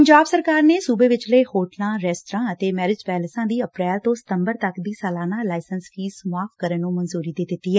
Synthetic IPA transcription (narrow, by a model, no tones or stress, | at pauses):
pəɲd͡ʒaːbsəɾkaːɾneːsuːbeːʋɪt͡ʃləːhoːʈlãːɾɛːsʈəɾãːət̪eːmɛːɾɪd͡ʒpɛːləsãːd̪iːəpɾɛːlt̪õːsɪ̥t̪əmbəɾt̪əkd̪iːsaːlaːnãːlaːɪsənsfʰiːsmʊaːfkəɾənːũːmənzuːɾiːd̪eːd̪ɪt̪ːiːɦɛː